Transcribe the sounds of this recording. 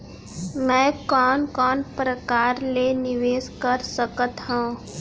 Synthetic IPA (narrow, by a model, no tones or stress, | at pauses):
mɛ̃ːkɔːnkɔːnpɾəkaːɾleːnɪʋeːskəɾsəkət̪ɦõː